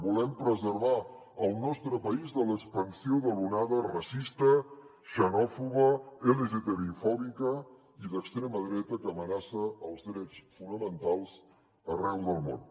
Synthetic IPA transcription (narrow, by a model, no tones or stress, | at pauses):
bulɛmpɾəzəɾβa | əlˠnɔst̪ɾəpəizðələkspənsioðəlunaðərəsist̪ə | ʃənɔfuɣəeləʒet̪eɾiufɔβikə | iðəkst̪ɾɛməðɾɛt̪əkəːmənasəəlˠzðɾɛt͡sfunəmənt̪alˠz | ərɛwðəlˠmo̰n